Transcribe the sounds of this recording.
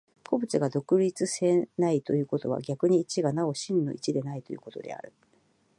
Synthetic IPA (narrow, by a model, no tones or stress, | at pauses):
kʰo̞bɯ̟t͡sɨɡad̪o̞kɯ̟ɾʲit͡sɨse̞nait̪o̞jɯ̟ːko̞t̪o̞β̞a̰ɡʲakɯ̟ɲ̟iːt͡ɕiɡanao̞ɕĩnːo̞̰ʔit͡ɕid̪e̞nait̪o̞jɯ̟ːko̞̥t̪o̞̰d̪e̞̰a̰ɾɯ̟